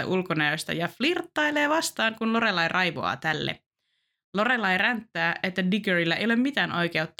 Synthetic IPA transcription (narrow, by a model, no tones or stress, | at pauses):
æ̰ʔulkonɑjost̪ɑ̰jɑflirt̪ːɑjleːʋɑst̪ɑːŋkunlo̞ɾe̞lɑjrʔɑjʋo̰ɑ̰ːt̪ælːḛ | lo̞ɾelːɑjɾænt̪ːæːʔe̞t̪ːædiɡøɹilːæejolemːmit̪æːnʔo̞jkeut̪ː